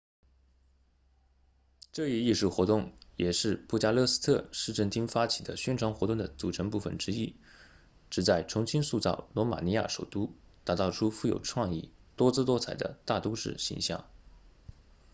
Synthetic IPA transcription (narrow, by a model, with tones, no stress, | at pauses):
ʈ͡ʂɤ˥˧i˥˧i˥˧ʂu˥˩xwɔ˧˥t̪ʊ˥˩ŋjɛ˨˩ʂɻ̩˥˧pu˥˩t͡ɕja˥˧lɤ˥˧s̩˥t̪ʰɤ˥˧ʂɻ̩˥˧ʈ͡ʂə˥˩nt̪ʰi˥ŋfa˥t͡ɕʰi̥˨˩d̪ə˦ɕɥɛ˥nʈ͡ʂʰwɑ˧˥ŋxwɔ˧˥t̪ʊ˥˩ŋd̪ə˩t͡su˨˩ʈ͡ʂʰə˧˥ŋp̬u˥˩fə̰˨˩nʈ͡ʂɻ̩˥i˥ | ʈ͡ʂɻ̩˨˩t͡sa˥˩ɪʈ͡ʂʰʊ˧˥ŋɕi˥nsu˥˧t͡sɑ̰˥˩ʊlwɔ˧˥ma̰˨˩ni˧˥ja̰˥˩ʂo˨˩ʊt̪u˥t̪a˧˥t̪ɑ˥˩ʊʈ͡ʂʰu˥fu˥˩jo˨˩ʈ͡ʂʰwɑ˥˧ŋḭ˥˩t̪wɔ˥t͡sɹ̩˥t̪wɔ˥t͡sʰa˨˩ɪd̪ə̰˦t̪a˥˩t̪u˥ʂɻ̩˥˩ɕḭ˧˥ŋɕjɑ̰˥˩ŋ